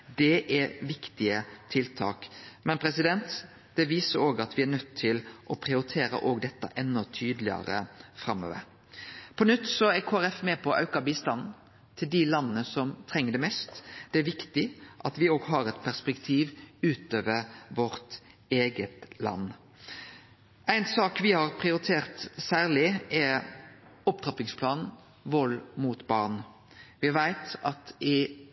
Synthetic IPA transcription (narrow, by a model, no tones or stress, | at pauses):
d̪ɛʔɛɾʋɪkt̪ɪət̪ʰɪlt̪ʰɑ̰ːkmɛnpʰɾɛsɪd̪ɛnt̪ | d̪̥ɛʋiːsəɾoːɡɑt̪ʋɪænœt̪ʰːɪlʔɔpʰɾɪʊɾɪt̪ʰeːɾə̰ʔoːɡd̪ɛt̪ːɑ̰ʔɛnːɔt̪ʰyːd̪lɪɑ̰ɾə̰fɾɑmø̰ːʋə̰ɾ | pʰɔnʉt̪ːsɔæɾkʰoːæɾɛfmɛpʰɔʔɑ̰ʉkɑbiːst̪ɑnn̩ | t̪ʰɪld̪ɪlɑnːənəsɔmt̪ʰɾɛŋːəɖɛmɛst̪d̪̥ɛæɾʋɪkt̪ɪʔɑt̪ʋɪoːɡɦɑːɾɛt̪pʰæʁspɛkt̪ʰiːʋʉːt̪øːʋəɾʋɔʁt̪ | eːɡət̪lɑ̰nː | ʔæɪnsɑːkʋɪhɑɾpʰʁɪʊɾɪt̪ʰeːʁt̪sæːʁlɪɛ | ɔp̚t̪ʰʁɑpɪŋspʰlɑːnn̩ | ʋɔlmuːt̪bɑʁn | ʋɪʋæɪt̪ɑt̪ɪ